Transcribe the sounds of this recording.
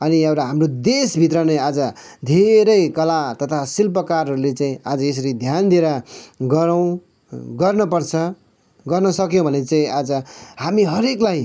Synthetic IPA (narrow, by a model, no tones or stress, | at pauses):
ʌniʌwɾaɦamrod̪esbʱit̪rʌnead͡zʌ | d̪ʱeɾʌjkʌlat̪ʌt̪ʰasilpʌkaɾʌɾulet͡saĩad͡zʌes̬ʌɾid̪ʱjand̪ieɾʌɡʌɾw̃ | ɡʌrnʌpʌrt͡sʰʌ | ɡʌrnʌsʌkjõbʱʌnet͡saĩʔad͡zʌhamiɦʌɾeklaj